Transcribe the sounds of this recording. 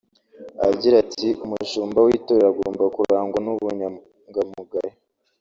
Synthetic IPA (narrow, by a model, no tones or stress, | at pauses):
a̰ɟiɾatiʔumuʃuːmbawitoɾeɾaɡoːmbakuɾaːŋɡwanuβuɲa | ŋɡamuɡaɾe